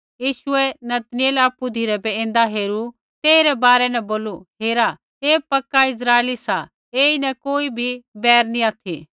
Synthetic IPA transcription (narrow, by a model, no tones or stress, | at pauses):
jiːʃʊɛnɐt̪nɪeːlaːpːud̪ʱiɾɛbɛẽːnd̪aɦeːɾu | t̪eːɾɛbaːɾɛnɛboːluɦeːɾa | eːpɐkːaɪs̬ɾaːelisa | eːinɛ̃koːibʱibɛːɾnĩaːt̪ʰḭ